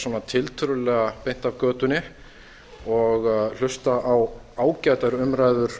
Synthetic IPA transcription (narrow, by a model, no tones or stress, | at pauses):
swanat̪ʰɪlt̪ʰʏɾʏlɛːɣapejn̥t̪avkœːt̪ʏnɪ | ɔɣl̥ʏst̪aʔaw | aːwcaːjt̪aɾʏmɾaːjðʏɾ̥